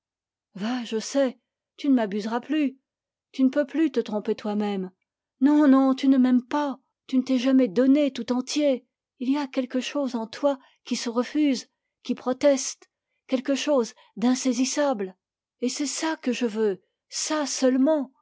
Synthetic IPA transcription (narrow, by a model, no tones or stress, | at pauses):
vaʒəsɛ | t̪ynəmabyzʁaply | t̪ynəpøplyt̪ət̪χɔ̃pet̪wamɛm | nɔ̃nɔ̃t̪ynəmɛmpa | t̪ynət̪ɛʒamɛd̪ɔnet̪ut̪ɑ̃t̪je | ilijakʲɛlkəʃozɑ̃t̪wa | kʲisəʁəfyz | kʲipχɔt̪ɛst̪ | kʲɛlkəʃoz | d̪ɛ̃sezisabl | esɛsakəʒəvø | sasœlmɑ̃